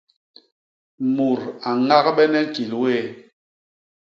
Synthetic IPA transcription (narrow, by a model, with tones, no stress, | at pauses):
mu˨ɾa˨ŋa˦kɓɛ˦nɛ˦ki˨lwe˦˨